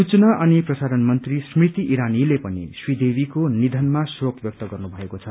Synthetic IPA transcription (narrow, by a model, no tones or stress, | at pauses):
sut͡snaʔʌniprʌsaɾʌnmʌnt̪rismrit̪iʔiɾanilepʌnḭswid̪ebikonid̪ʱʌnmasurokbjʌk̚t̪ʌɡʌrnubʱʌekot͡sʰʌ